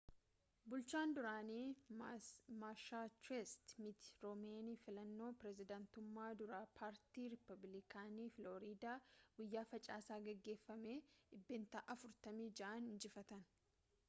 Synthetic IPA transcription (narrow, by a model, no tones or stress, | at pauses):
bʊlt͡ʃaːnd̪ʊɾaːniː | maʃaːt͡ʃwɛst̪mɪt̪ɪ̥ɾɔmeːniːfɪlɐnːo̞ːpɾɛzɪd̪ɐnt̪ʊmːaːd̪ʊɾaːpʰaːɾt̪iːɾɪpːɐblɪkʰaːniːfloːɾiːd̪aːɡʊjːaːfɐt͡ʃʼaːsaːɡɛɡːe̞ːfːɐmeːᶑɪbːeːnt̪aːʔɐfʊɾt̪ɐmiːd͡ʒɐʔɐnhɪnd͡ʒɪfɐt̪ɐn